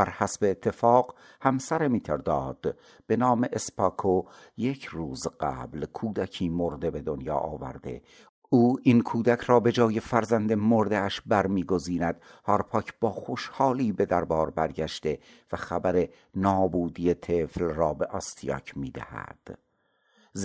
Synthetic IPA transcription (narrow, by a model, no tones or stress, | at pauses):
b̥æɾhæsbe̞ːt̪ʰːefɒːɢ | hæmsæɾemiːt̪ʰeɾd̪ɒːd̪̥ | b̥e̞nɒːme̞ʔespʰɒːkʰoje̞cʰɾuːzɢæ̰ːblkʰuːd̪æcʰiːmoɾd̪e̞be̞d̪onjɒ̰ːʔɒːvæ̰ɾd̪e̞̰ | uːʔinkʰuːd̪æcʰɾɒːbe̞d͡ʒɒːje̞fæɾzænd̪emoɾd̪eæʃbæɾmiːɡo̞ziːnæd̪̚hɒːɾpʰɒːcʰb̥ɒːxoʃhɒːliːbe̞d̪æɾbɒːɾbæɾɟæʃt̪e̞ | væxæbæɾe̞ | nɒːbuːd̪ije̞t̪ʰeːflrɒːbe̞ʔɒst̪ʰijɒ̰ːcʰmiːd̪æ̰hæ̰d̪̥